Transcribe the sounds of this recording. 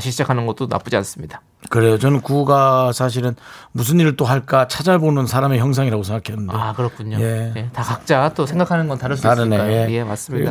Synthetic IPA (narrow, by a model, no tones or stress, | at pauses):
ɕʰiɭt͡ɕ͈akʰanɯnɡʌt͈ona̰p͈ud͡ʑians͈ɯmɲid̥a | kɯɾe̞jot͡ɕʌnɯnkuɡasʰaɕ̬ʰiɾɯnmus̬ʰɯniɾɯɭt͈oɦaɭk͈at͡ɕʰad͡ʑaɭbonɯnsʰaɾame̞çjʌŋs̬ʰaŋiɾaɡosʰeŋɡakʰennakɯɾʌk͈ʰuɲoje̞jetakak̚t͡ɕ͈at͈osʰe̞ŋɡakʰanɯnɡʌntaɾɯsaɾɯnejeemas͈ɯmɲida